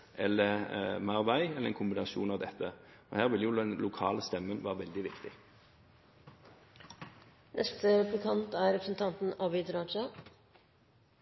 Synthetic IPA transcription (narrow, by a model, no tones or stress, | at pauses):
ʔɛlːəmæʁʋæɪɛləʁɛnkʰʊmbɪnɑsṵːnɑʋd̪ɛt̪ʰːəɔhæːʁʋɪljʊd̪ɛnlʊkʰɑ̰ːləst̪ɛmːənʋæːʁəʋɛld̪ɪʋɪkt̪ɪ | nɛst̪əɾɛplɪkʰɑnt̪æːɾɾɛpɾəsn̩t̪ʰɑnt̪n̩ɑbɪd̪ɾɑt͡ʃɑ